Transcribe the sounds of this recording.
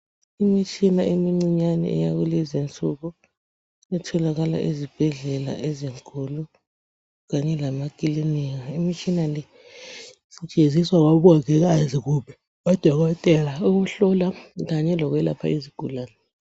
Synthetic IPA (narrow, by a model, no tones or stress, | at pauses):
imit͡ʃʰʼinaʔemiŋ͡ǀiɲanɛ̰ʔɛ̰jaɣulizint͡sʼuɣu | ɛtʰɔlaɣala̰ʔizib̥ʱɛɮɛla̰ʔɛziŋkʰʼulu | ɣaɲɛlamakʼiliniɣaimit͡ʃʰʼinalɛ | sit͡ʃʼeziswaɣ̬aβuaɣɛɣ̬aziɣuːɓɛ̥ | wɔd̥ʱɔɣɔtʼɛlauɣ̬uɬɔlaɣaɲɛlɔk̬wɛla̰pʰa̰iziɡ̥ʱulaːnɛ